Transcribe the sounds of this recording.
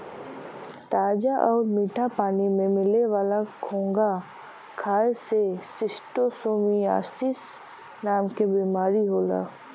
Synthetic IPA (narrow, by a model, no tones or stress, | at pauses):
t̪aːd͡ʒaʔɔːɾmiːʈʰapaːnimẽmɪleʋaːlakʰõːŋɡa | kʰaːesesɪsʈosoːmia̰ːsɪs | naːmkebiːmaːɾiɦoːla̰ː